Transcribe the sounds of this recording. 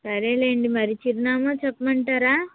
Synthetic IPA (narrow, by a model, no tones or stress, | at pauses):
sɐɾeːleːɳɖimɐɾit͡ʃiɾinaːmaːt͡ʃɛpːmɐɳʈaːɾaː